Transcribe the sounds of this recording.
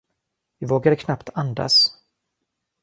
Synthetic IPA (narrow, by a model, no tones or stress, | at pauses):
vɪvoːɡad̪əkʰnapt̪ʰand̪a̰s